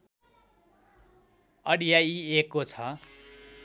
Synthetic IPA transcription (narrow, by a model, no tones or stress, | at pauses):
ʌɽijaiekːot͡sʰʌ